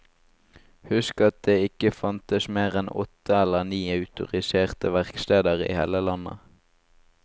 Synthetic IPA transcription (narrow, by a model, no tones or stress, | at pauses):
hʉskɑt̪̚d̪eːɪkəfɑnt̪əsmeːʁɛnɔ̰t̪ʰəɛləʁniːɑʉt̪ʊ̰ʁɪseːʁt̪əʋæʁkst̪eːd̪əʁḭːheːləlɑnə̰